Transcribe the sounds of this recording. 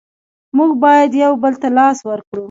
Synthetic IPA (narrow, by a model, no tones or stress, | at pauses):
muɡbɑjad̪jawbəlt̪alɑswəɾkɽu